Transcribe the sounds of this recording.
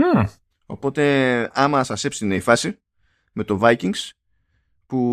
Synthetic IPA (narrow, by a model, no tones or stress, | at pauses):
o̞po̞t̪e̞ɐmɐsɐse̞psineifɐsi | me̞t̪o̞vɐjciŋs | pu